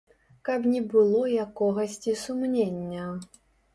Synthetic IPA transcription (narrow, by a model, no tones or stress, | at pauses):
kɐpnʲɛbɨlˠɔjakɔɣɐsʲt͡sʲisumnʲenʲːɐ